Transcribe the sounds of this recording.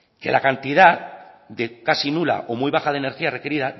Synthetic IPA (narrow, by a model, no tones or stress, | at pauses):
ke̞̰la̰kant̪ið̞að | d̪ekasinula̰ʔomujβaχaðene̞ɾxiare̞keɾiða